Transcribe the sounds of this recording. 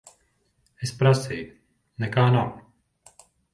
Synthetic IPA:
ɛspɾasɪ | nɛkaːnam

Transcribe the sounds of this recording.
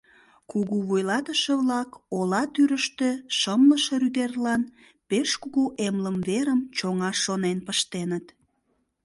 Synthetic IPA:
kuɣuβujlɑt̪əʃeβlɑkolɑt̪yɾəʃt̪eʃəmləʃeɾyd̪erlɑn | peʃkuɣuʔemləmβeɾəmt͡ɕoŋɑʃːonenpəʃt̪enət̪

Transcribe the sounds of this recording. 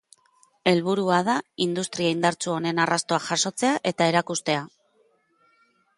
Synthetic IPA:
e̞lβuɾuað̞aind̪ust̪ɾiaind̪aɾt͡suo̞ne̞narast̪o̞aʝaso̞t͡se̞aʔe̞t̪ae̞ɾakust̪e̞a

